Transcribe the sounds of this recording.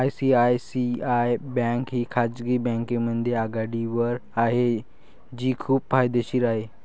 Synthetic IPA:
ajsiajsiajbɛ̃ŋkɦiːkʰad͡zɡiːbɛ̃ŋkemənd̪ʱjeaɡaɽiʋəɾaɦe | d͡ʑiːkʰuːbfajd̪eɕiːɾaɦe

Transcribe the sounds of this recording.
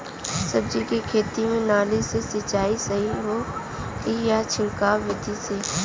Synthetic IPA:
sɐb̚d͡ʒikikʰeːt̪imẽnaːlisesɪt͡ʃaːisɐɦiɦoː | ijat͡ʃʰɪɽkaːʋɪd̪ʱiseː

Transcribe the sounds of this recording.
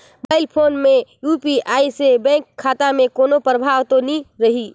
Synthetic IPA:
baːɪlpʰoːnmẽjuːpiʔaːisebɛ̃ːŋkʰːaːt̪amẽkoːnopɾəbʱaːʋt̪onĩɾɐɦiː

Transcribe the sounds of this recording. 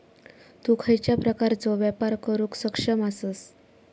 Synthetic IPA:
t̪ukʰəjt͡ɕjapɾəkaɾt͡sɔʋjapaɾkəɾũːksəkʂəmasəs

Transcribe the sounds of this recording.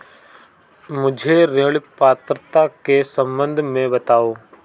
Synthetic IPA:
mʊd͡ʒʱeɾeɭpaːt̪ɾət̪akesə̃mbə̃nd̪ʱmẽbət̪aːoː

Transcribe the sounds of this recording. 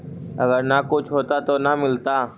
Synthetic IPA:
ɐɡəɾnakʊt͡ʃʰɦoːt̪at̪onamɪlt̪a

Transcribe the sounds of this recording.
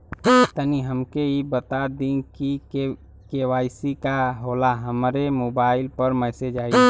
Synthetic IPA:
t̪əniɦəmkeibət̪aːɾd̪inkie | keːwaːɪsikaɦoːlaɦəmɾemoːbaːɪlpəɾmɛːsed͡ʒaːi

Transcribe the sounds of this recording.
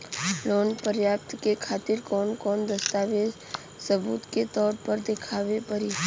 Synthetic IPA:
loːnpəɾjaːp̚t̪kekʰaːt̪ɪɾkɔːnkɔːnd̪əst̪aːʋe | səbṵːt̪ket̪ɔːɾpəɾd̪ekʰaːʋepəɾiː

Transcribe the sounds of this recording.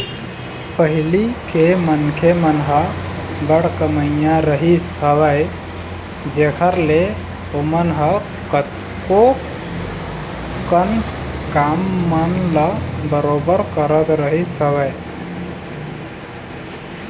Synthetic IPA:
pəɦilikemənkʰemənɦə | ɡəɽkəməjãɾəɦisəβəj | d͡ʒekʰəɾle | omənɦə | kət̪ | ko | kən | kamːənləbəɾobəɾkəɾət̪ɾəɦisəbəj

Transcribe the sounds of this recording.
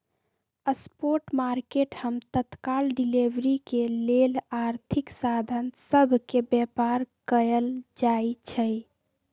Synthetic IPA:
əspoɾʈmaɾkeʈhəmt̪ət̪kalɖilebɾikelelaɾt̪ʰiksad̪ʱənsəbʱkebjɛpaɾkəəld͡ʒajt͡ʃʰəj

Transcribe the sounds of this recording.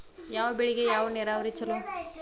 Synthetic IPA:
jaːʋɐbeɭiɡejaːʋɐneːɾaːʋɐɾit͡ʃːɐlu

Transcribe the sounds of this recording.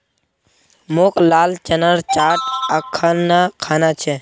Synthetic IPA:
moklaːlt͡ʃənəɾt͡ʃaːʈ̚əkʰːənːakʰaːnat͡ʃʰɛ

